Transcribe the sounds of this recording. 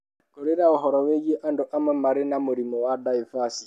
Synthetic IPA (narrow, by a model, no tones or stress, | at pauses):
koɾeɾaoɦɔɾɔweɣeʔandoʔamwɛmaɾenamoɾimɔwadaifasi